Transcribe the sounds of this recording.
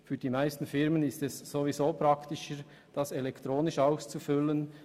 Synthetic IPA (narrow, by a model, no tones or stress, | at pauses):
fyːd̥iːmaɪstn̩fɪʁmənɪstɛsːovizoːpɾɑktɪʃəɾ | d̥ɑsɛlɛktʁoːnɪʃaʊst͡sufʏlən